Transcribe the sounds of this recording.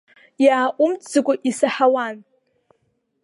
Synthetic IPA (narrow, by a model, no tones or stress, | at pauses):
jaːʔʷʼʊmtʰʼzɨkʷʼʊʔisaħawan